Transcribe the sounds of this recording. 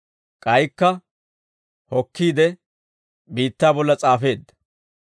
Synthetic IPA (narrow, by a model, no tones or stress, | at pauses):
kʼɐjkːɐ | hɔkːiːd̪ɛ | biːt̪ːaːbɔlːɐt͡sʼaːfe̞ːd̪ːɐ̥